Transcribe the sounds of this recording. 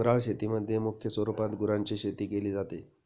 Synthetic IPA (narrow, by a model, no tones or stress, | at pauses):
ɾaɭɕet̪iməd̪ʱːjemukʰjəsʋəɾupat̪ɡuɾãɲt͡ɕiːɕet̪iːkeliːd͡zat̪e